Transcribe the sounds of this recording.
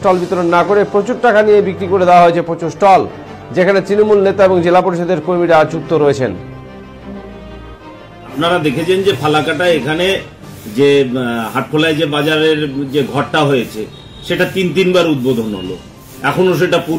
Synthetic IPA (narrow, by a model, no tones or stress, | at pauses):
ʈɔlbit̪oɾonːakoɾepɾot͡ɕuɾʈakanijebikɾikoɾed̪ewaɦoet͡ɕʰepɾot͡ɕuʃʈɔl | d͡ʑekʰanet̪ɾinomulnet̪aeboŋd͡ʑelapoɾiʃod̪eɾkoɾmiɾad͡ʑuk̚t̪oɾoet͡ɕʰen | apnaɾad̪ekʰet͡ɕʰend͡ʑepʰalakaʈaekʰane | d͡ʑeɦaʈ̚kʰolaed͡ʑebad͡ʑaɾeɾd͡ʑeɡʱɔʈʈːaɦojet͡ɕʰe | ʃeʈat̪int̪inbaɾud̪̚bod̪ʱonɦo̰lo̰ | ɛkʰonoʃ̬eʈapu